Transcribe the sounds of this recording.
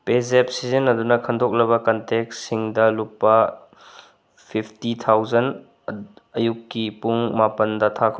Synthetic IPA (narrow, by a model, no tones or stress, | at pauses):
pezep̚sizɐnɐdunɐkʰɐnd̪ʰok̚lɐbɐkɐntek̚ssiŋdɐlupːɐ | pʰipʰtit̪ʰawzɐn | ɐjukːipuŋmapɐndɐt̪ʰakʰɐ